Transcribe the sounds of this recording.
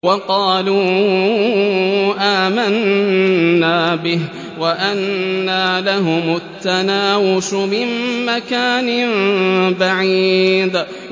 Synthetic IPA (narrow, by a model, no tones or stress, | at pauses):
wɑqɑːluː | ʔaːmanː | aːbɪh | waʔanːalaɦʊmʊt̪ːanaːwʊʃʊmɪmːakaːnɪmbaʕid̪